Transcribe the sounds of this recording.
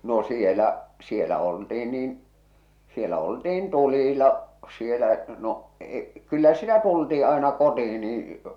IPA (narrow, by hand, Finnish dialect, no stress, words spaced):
no sielæ sielæ oltiin niːn sielæ oltiːn tulilɑ sielæ no e kylːæ sitæ tultiː ɑenɑ kotii niːĩ